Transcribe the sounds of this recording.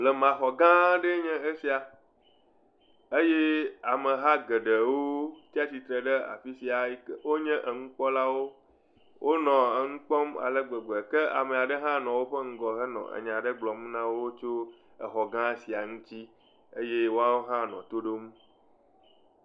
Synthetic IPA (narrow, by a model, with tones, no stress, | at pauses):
lɛ˨mã˨xɔ˨ɡã˦ɖə˦ɲɛ̃˦e˦si˨a˨ | e˦je˦a˨mə̃˨ɦa˦ɡə˨ɖə˨wo˦t̪i˦a˦si˨t̪ɾə˨ɖə˦a̰˨fi˦si˨a˨i˦kwo˦ɲɛ̃˦ʔə˨ŋũ˦k͡pɔ˦la˦wo˦ | wʔo˦nɔ̃˨ə˨ŋũ˦k͡pɔ˦ma̰˨lə˦ɡ͡be˨ɡ͡bɛ˨kɛ˦a̰˨mẽ˨a˨ɖə˦ɦã˦nɔ̃˨wo˦ɸə˦ŋ̩˦ɡɔ˨ɦə˦nɔ̰̃˨ʔə̰˨ɲã˨ɖə˦ɡ͡blɔ˨m˦nã˦wo˦t͡ʃo˦ | ə˨xɔ˨ɡã˦si˨a˨ŋũ˦t͡ɕi˦ | e˦je˦wo˦a˦wo˦ɦã˦nɔ̰̃˨t̪o˦ɖo˦mũ˦